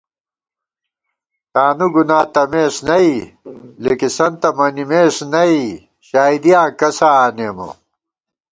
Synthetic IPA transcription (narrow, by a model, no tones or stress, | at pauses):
t̪aːnuɡunaːt̪ɐmeːsnɐilekisɐnt̪ɐmɐnimeːsnɐi | ɕaːid̪ijãːkɐsaːneːmɐ̰